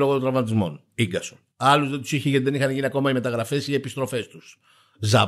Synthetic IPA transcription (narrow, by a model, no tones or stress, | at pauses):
loɣot̪od̪ɾɐvmɐt̪izmo̞̰n | iŋɡɐson | ɐluzðent̪usiçiʝeiðenixɐnʝiniɐko̞mɐime̞t̪ɐɣɾɐfe̞sie̞pist̪ɾo̞fe̞st̪us | zɐ